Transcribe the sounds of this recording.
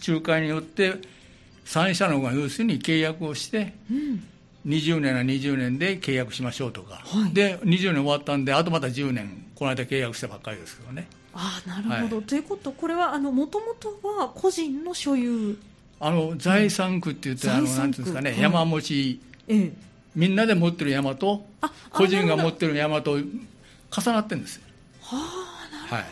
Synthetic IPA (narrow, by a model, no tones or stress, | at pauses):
t͡ɕɨːkaiɲ̟ijo̞t̪ːe̞ | sãɰ̃ɕi̥t̪anookoajɯːsɨɲ̟ike̞ːjakɯ̟o̞ɕi̥t̪ẽ̞ | ɲ̟iʑɨːnẽŋaɲ̟iʑɨːnẽ̞nd̪e̞ke̞ːjakɯ̟ɕimaɕo̞ːt̪oka̰haid̪e̞ɲ̟iʑɨːnẽo̞βat̪ːãnd̪e̞at̪o̞mat̪ad͡ʑɨːnẽ̞ŋko̞naid̪ake̞ːjakɯ̟ɕi̥t̪abakːaɾʲid̪e̞sɨ̥jone̞ | anaɾɯ̟aod̪o̞t̪ojɯ̟ko̞t̪okoɾe̞βaːnomot̪o̞mot̪o̞βakʰo̞ʑĩnːo̞ɕo̞jɯː | ano̞zaisãŋkɯ̟t̪ːe̞jɯt̪ːeanonãnt̪ɨnɨskane̞jamamo̞t͡ɕie | mʲĩnːad̪e̞mo̞t̪ːe̞ɾɯjamat̪o̞ako̞ʑĩŋɡamo̞t̪ːe̞ɾɯjamat̪o̞ | kasanat̪ːẽ̞nd̪e̞sɨ̥o | ahaḭ